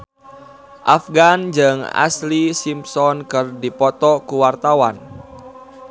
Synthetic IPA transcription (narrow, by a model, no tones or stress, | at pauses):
ʔafɡand͡ʒɨŋa̰slisimsɔnkɨrdipɔt̪ɔkuwart̪awan